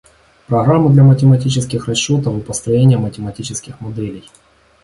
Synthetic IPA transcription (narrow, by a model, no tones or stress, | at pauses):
pɾɐɣɾamːɨd̪lʲɐmətʲɪmɐtʲit͡ɕɪskʲɪxrɐɕːo̞t̪əvɨpəst̪ɾɐjenʲɪjəmətʲɪmɐtʲit͡ɕɪskʲɪxmɐd̪ɛlʲɪj